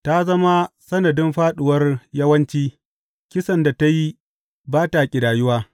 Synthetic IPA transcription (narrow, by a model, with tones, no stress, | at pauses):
ta˦zɐ˦ma˦sɐ˦nɐ˨dɪ˦mɸaː˦ɗʊ˨wɐ˦rjɐ˦wɐ˦nt͡ʃiː˦ | kʲɪ˦sɐ˨nda˨ta˦ji˦ | baː˦ta˨kʲʼɪ˨daː˨jʊ˦waː˦